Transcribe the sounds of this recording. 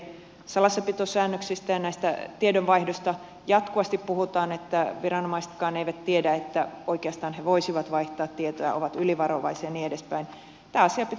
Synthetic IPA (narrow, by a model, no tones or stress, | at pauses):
sɑlɑsːɑpit̪osæːnːøksist̪æjɑnæist̪æt̪iedønʋɑihdosʲt̪ɑ | jɑt̪kuʋɑst̪ippuhut̪ɑːnet̪ːæʋirɑnomɑist̪kɑːneiʋæt̪t̪iedæet̪ːæoikeɑst̪ɑːnheʋoisiʋɑt̪ʋɑiht̪ɑːt̪t̪ːiet̪ojɑ̰oʋɑt̪yliʋɑroʋɑ̰isiɑniːedespæin | t̪æːɑsiɑpit̪